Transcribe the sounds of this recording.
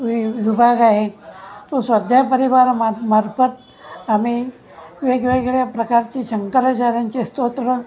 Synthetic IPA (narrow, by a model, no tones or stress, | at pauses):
ʋiʋibʱaɡaɦet̪osʋəd̪ʱjapəɾiʋaɾmamaɾfət̪ | ami | ʋeɡʋeɡɭjapɾəkaɾt͡ɕiːɕəŋkəɾat͡ɕaɾjaɲt͡ɕest̪ot̪ɾə